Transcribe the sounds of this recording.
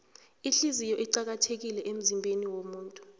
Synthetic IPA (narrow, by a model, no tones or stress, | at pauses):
iɬizijɔʔiǃak̬atʰek̬ilɛʔem̩zimbʱeniwomuːntʼu